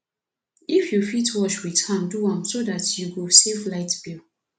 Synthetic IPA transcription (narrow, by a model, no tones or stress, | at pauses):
ifjufitwɔʃwitãmduãmsodatjuɡusevlaɪtb̥il